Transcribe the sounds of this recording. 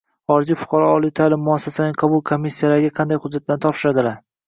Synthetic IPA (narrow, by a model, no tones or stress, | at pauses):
χɒɾɪd͡ʒifʊ̥qʰɑɾɒɒlˠijt̪ʰalɪmːʊasːasanɪŋqʰɒbʊlˠkʰo̞mːisːijalaɾɪɡʲaqʰɑnd̪ajhʊd͡ʒːat̪̚ːant̪ʰɒpʃɪɾad̪ɪlaɾ